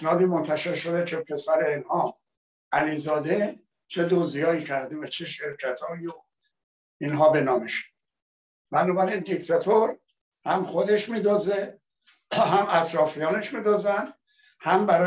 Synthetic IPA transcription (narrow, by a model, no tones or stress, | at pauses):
d͡ʒɒːd̪iːmont̪ʰæʃe̞ɾʃo̞d̪ecʰe̞pʰe̞sæɾe̞inhɒː | ʔæliːzɒːd̪e | t͡ʃʰe̞d̪ozijɒːiːcʰæɾd̪evæt͡ʃʰeʃe̞ɾcʰæt̪ʰɒːio | inɦɒːbe̞nɒːmeʃæ̥ | bænɒːbæɾind̪ikt̪ʰæt̪ʰoɾ | hæmχod̪e̞ʃmiːd̪oze | ɦæmæt̪ʰɾɒːfijɒːne̞ʃmiːd̪ozæn | hæmbæɾɒː